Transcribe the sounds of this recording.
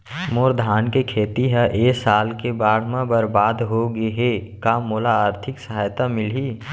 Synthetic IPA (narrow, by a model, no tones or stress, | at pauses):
moːɾd̪ʱaːnkekʰeːt̪iɦɛʔeːsaːlkebaːɽ̤mãbəɾbaːd̪ɦoɡeɦekaːmoːlaaːɾt̪ʰɪksəɦaːjt̪amɪlɦiː